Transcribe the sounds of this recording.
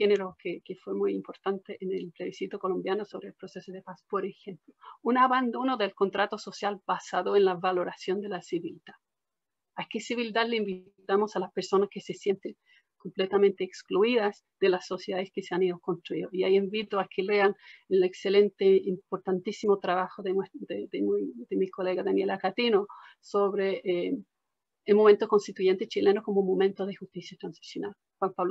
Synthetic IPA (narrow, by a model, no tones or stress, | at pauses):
xeneɾokekefwemujimpo̞ɾt̪ant̪eʔenelpleβisit̪oko̞lombjanosoβɾeːlpɾosesoðepaspoɾexe̞mplounaβand̪o̞noðelko̞nt̪ɾat̪oso̞sjalbasaðoenlaβalo̞ɾasjo̞nd̪elasiβild̪a | akesiβild̪aðleimbi | t̪amo̞salaspeɾso̞naskesesje̞nt̪eŋ | ko̞mplet̪amẽnt̪eːkskluiðas | d̪̥elaso̞sjeðaðeskeseaniðokonst̪ɾuiðoiaiembit̪oakʰeleanelekselent̪eimpoɾt̪ant̪isimot̪ɾaβaxoðewed̪ed̪emd̪emikoleɣaðanjelakat̪ino | soβɾeʔ | elmoment̪oko̞nst̪it̪uʝe̞nt̪et͡ʃilenokomomomẽnt̪oðexust̪isjat̪ɾansi̥sjona̰l | xwampaβl